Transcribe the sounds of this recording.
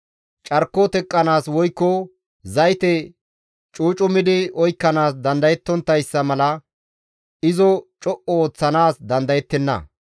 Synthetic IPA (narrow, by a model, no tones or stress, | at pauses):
t͡ʃʼɐɾkːɔt̪ɛkʼːɐnaːswɔjkːɔ | zɐjt̪ɛ | t͡ʃʼuːt͡ʃʼʊmɪd̪ɪɔjkːɐnaːsd̪ɐnd̪ɐjɛt̪ːɔnt̪ːɐjsːɐmɐlɐ | ɪzɔt͡ʃʼɔʔɔoːt͡sːɐnaːsd̪ɐnd̪ɐjɛt̪ːɛnːɐ̰